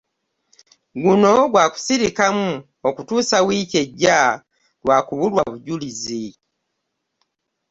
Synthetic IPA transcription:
ɡuno̞ɡwaːku̥siɾikamu | okutuːsawiːce̞ɟːa | lwaːkuβulwaβuɟulizi

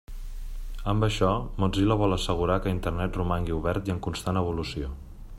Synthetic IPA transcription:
əmbəʃɔmoziləβɔlˠəsəɣ̞uɾakəint̪ərnɛt̪rumaŋɡiuβɛɾt̪iəŋkunst̪anəβ̞ulusio

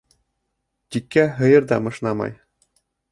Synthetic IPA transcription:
t̪ikːæɦɤ̆jɤ̆ɾd̪ɑmɤ̆ʃnɑmɑ̰j

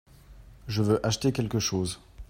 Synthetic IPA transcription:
ʒəvøʔaʃt̪ekʲɛlkəʃoːz

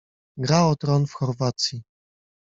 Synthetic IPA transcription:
ɡɾaɔt̪ɾɔnfxɔɾvat̪sʲji

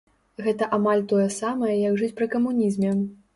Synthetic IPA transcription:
ɣɛt̪ɐʔamalʲt̪ɔjɐsamɐjɐjɐɡʐɨt͡sʲpɾɨkɐmunʲizmʲɛ

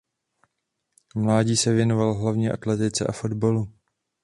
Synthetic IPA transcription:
mlaːɟiːsɛvjɛno̞valɦlavɲɛːʔa̰t̪lɛt̪ɪt͡sɛ̰ʔafo̞d̪balu

